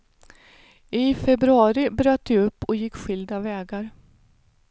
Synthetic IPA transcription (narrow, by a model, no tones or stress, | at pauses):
ʔɪfɛbɾɵɑːɾɪbɾœːt̪ːd̪ɛɵpːɔjɪkːɧʏld̪avɛːɡaɾ